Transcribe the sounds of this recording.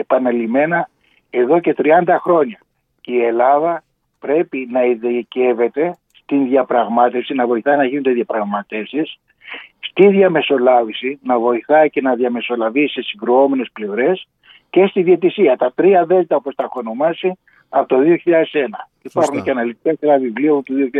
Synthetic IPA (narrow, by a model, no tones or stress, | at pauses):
epɐnɐlime̞nɐ | e̞ðo̞ce̞t̪ɾiɐnd̪ɐxɾo̞ɲɐ | ie̞lɐðɐ | pɾe̞pinɐiðece̞ve̞t̪e̞ | st̪inðjɐpɾɐɣmɐt̪e̞fsinɐvo̞iθɐinɐʝinond̪eðjɐpɾɐɣmɐt̪e̞fsis | st̪iðʝɐme̞so̞lɐvisinɐvo̞iθɐice̞nɐðjɐme̞so̞lɐvise̞siŋɡɾuo̞me̞ne̞sple̞vɾe̞s | ce̞st̪iðie̞t̪isiɐt̪ɐt̪ɾiɐðe̞zt̪ɐopost̪ɐxo̞no̞mɐsi | ɐpot̪oðio̞çiʎɐðe̞se̞nɐ | ipɐɾxunceɐnɐlit̪ikɐsenɐvivliopot̪oðioçi